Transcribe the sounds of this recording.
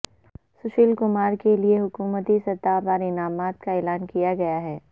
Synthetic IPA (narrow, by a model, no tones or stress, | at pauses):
sʊʃiːlkʊmaːɾkelieɦʊkuːmət̪isɐt̪ːaːpaɾɪnaːmaːt̪kaɛːlaːnkijaɡɐjaɦɛː